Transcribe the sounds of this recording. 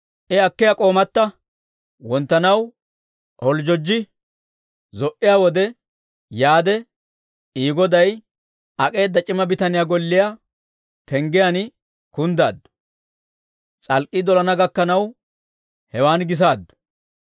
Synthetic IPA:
ʔɪɐkːɪjakʼo̞ːmɐt̪ːɐ | wɔnt̪ːɐnɐw | hɔld͡ʒɔd͡ʒːɪ | zɔʔɪjawɔd̪ɛ | jaːd̪ɛ | iːɡɔd̪ɐj | ɐkʼe̞ːd̪ːɐt͡ʃʼɪmɐbɪt̪ɐnɪjaɡɔlːɪja | pɛŋɡɪjan | kʊnd̪a̰ːd̪ːʊ̥ | t͡sʼɐlkʼːid̪ɔlɐnɐɡɐkːɐnɐw | hɛwaːnɡɪs̬aːd̪ːʊ̥

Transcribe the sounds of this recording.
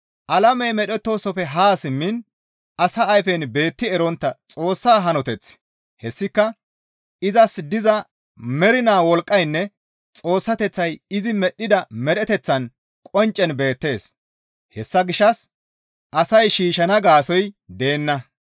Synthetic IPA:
ʔɐlɐmɛjmɛɗɛt̪ːo̞ːsɔfɛɦaːsɪmːɪn | ʔɐsɐːjfɛnbe̞ːt̪ːɪɛɾɔnt̪ːɐt͡sʼo̞ːsːaːɦɐnɔt̪ɛt͡sː | hɛsːɪkːɐ | ɪzɐsd̪ɪzɐ | mɛɾɪnaːwɔlkʼːɐjnːɛ | t͡sʼo̞ːsːɐt̪ɛt͡sːɐjɪzɪmɛɗːɪd̪ɐmɛɾɛt̪ɛt͡sːɐn | kʼɔnt͡ʃʼːɛnbe̞ːt̪ːe̞ːs | hɛsːɐɡɪʃːɐs | ʔɐsɐjʃiːʃɐnɐɡaːsɔjd̪e̞ːnːɐ

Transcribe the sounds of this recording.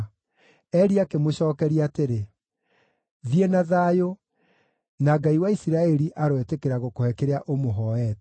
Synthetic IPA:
ɛɾiakemoɕɔːkɛɾiateɾe | ðiɛnaðaːjo | naɡaiwaisiɾaɛɾiʔaɾwɛtekeɾaɣokohɛkeɾeaʔomoɦɔɛt

